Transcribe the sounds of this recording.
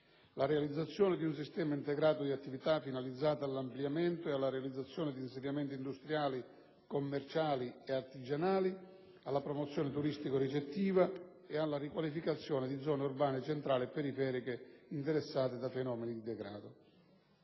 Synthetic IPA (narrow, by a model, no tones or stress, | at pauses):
laɾealid̪zːat̪sːjɔːnɪd̪iunsist̪ɛːmaint̪ɛɡɾaːt̪ʊd̪iat̪ːivit̪afːinalid̪zːaːt̪aːlːampljamɛnt̪ʊealːaɾealid̪zːat̪sːjɔːnɪd̪iːnsenːamɛnt̪ind̪ust̪ɾjaːli | komːɛrt͡ʃaːlieart̪id͡ʒanaːli | alːapɾɔmɔt̪sːjɔːnɪt̪uɾist̪ikoɾit͡ʃet̪ːiːva | ɛalːarikwalifikat̪sːjɔːnɪd̪id̪zɔːneurbaːnɪet͡ʃent̪ɾaːlɪɛpːɛɾifɛːɾikeint̪ɛɾɛsːaːt̪ɪd̪afenɔːmenid̪id̪ɛɡɾa̰ːd̪ʊ